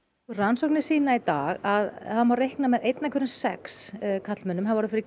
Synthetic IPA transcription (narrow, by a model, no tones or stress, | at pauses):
ransowknɪ̥siːnait̪aːɣaðhamvawrejhknamɛðejt̪nakʰʏɾʏnsɛ̰kskʰat̪l̥mɛnːʏmɦaðvɔɾʏfɪɾɪ